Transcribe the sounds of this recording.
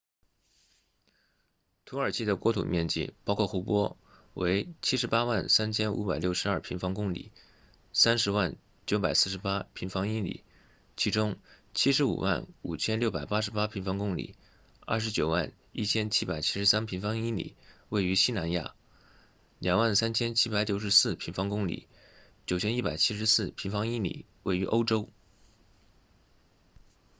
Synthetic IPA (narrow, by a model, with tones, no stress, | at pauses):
t̪ʰu˧˥ə˞˨˩t͡ɕʰi˥˩d̪ə˩kwɔ˧˥t̪ʰṵ˨˩mjɛ˥˧nt͡ɕḭ˥˩pɑ˥ʊkʰwɔ˥˩xu˧˥pwɔ˥ | we˧˥ɪt͡ɕʰi˥ʂɻ̩˧˥pa˥wa˥˩nsa˥nt͡ɕʰjɛ˥nʔṵ˧˥pa˨˩ɪljo˥˩ʊʂɻ̩˧˥ɐ˞˥˩pʰi˧˥ŋfɑ˥ŋkʊ˥ŋlḭ˨˩˦ | sa˥nʂɻ̩˧˥wa˥˩n | t͡ɕjo˧˥ʊpa˨˩ɪsɹ̩˥˩ʂɻ̩˧˥pa˥pʰi˧˥ŋfɑ˥ŋi˥nlḭ˨˩˦ | t͡ɕʰi˧˥ʈ͡ʂʊ˥ŋt͡ɕʰi˥ʂ̬ɻ̩˧˥ṵ˨˩wʔa̰˥˩nu˨˩t͡ɕʰjɛ˥nljʊpa˨˩ɪpa˥ʂ̬ɻ̩˧˥pa˥pʰi˧˥ŋfɑ˥ŋkʊ˥ŋlḭ˨˩˦ | ɐ̰˞˥˩ʂɻ̩˧˥t͡ɕjo˨˩ʊwa̰˥˩n | i˥˩t͡ɕʰjɛ˥nt͡ɕʰi˥pa˨˩ɪt͡ɕʰi̥˥ʂɻ̩˧˥sa˥npʰi˧˥ŋfɑ˥ŋi˥nlḭ˨˩˦we˥˩ɪy˧˥ɕi˥na˧˥nja̰˥˩ | ljɑ˨˩ŋwa˥˩nsa˥nt͡ɕʰjɛ˥nt͡ɕʰi˥pa˧˥ɪt͡ɕjo˨˧˩ʊʂɻ̩˧˥sɹ̩˥˩pʰi˧˥ŋfɑ˥ŋkʊ˥ŋlḭ˨˩˦ | t͡ɕjo˨˩ʊt͡ɕʰjɛ˥ni˥˩pa˨˩ɪt͡ɕʰi˥ʂ̬ɻ̩˧˥sɹ̩˥˩pʰi˧˥ŋfɑ˥ŋi˥˩nlḭ˨˩˦ | we˥˩ɪy˧˥ʔo˥ʊʈ͡ʂo˥ʊ